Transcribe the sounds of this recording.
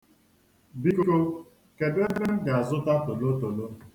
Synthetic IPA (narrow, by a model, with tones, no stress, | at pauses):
bi˦ku˦ko˦ | ke˨de˦be˦ŋ̩˦ɡa˨a˨zʊ˦ta˦to˨lo˦to˨lo˦